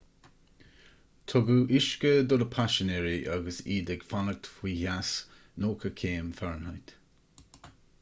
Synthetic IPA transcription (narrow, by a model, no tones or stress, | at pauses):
t̪ʰɔɡuʔɪʃkəd̪ɔdəpʰaʃənɛɹiʔaɡəsiːd̪ɛɡfanəɡ̚t̪ʰfwiːhas | noːkʰəkʰeːmfɛɹnhajt̪